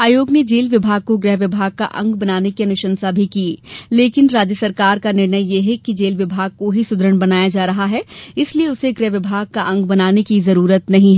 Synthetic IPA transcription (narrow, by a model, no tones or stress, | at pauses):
aːjoːɡned͡ʒeːlʋɪbʱaːɡ̚koɡɾɛɦʋɪbʱaːɡ̚ka̰ʔɐ̰̃ŋɡbɐnaːnekiɐnʊʃə̃nsabʱikiːleːkɪnɾaːd͡ʒjəsɐɾkaːɾkanɪɾnəjjeɦɛkid͡ʒeːlʋɪbʱaːɡ̚koɦisʊd̪ɾəɽ̃bɐnaːjad͡ʒaːɾɐɦaɦɛɪslieʊseɡɾɛːɦʋɪbʱaːɡ̚kaʔɐ̃ŋɡbɐnaːnekizɐɾuːɾət̪nɐɦĩɦɛ